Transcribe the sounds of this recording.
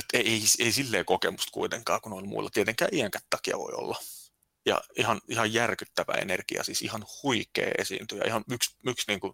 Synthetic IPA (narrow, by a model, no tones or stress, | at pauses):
et̪ːeeiseisilːeːkokemust̪kuit̪eŋkɑːkunolʲmṵilːɑt̪iet̪eŋkæ̰ːʔiæŋkæ̥t̪t̪ɑkiɑ̰ʋo̰io̰lːɑ | jɑ̰ihɑnihɑjjærkyt̪ːæʋæ̰ḛnerkiɑ̰siːsihɑnhuikḛːesḭːnt̪yjɑ̰ihɑnyksyksniːŋku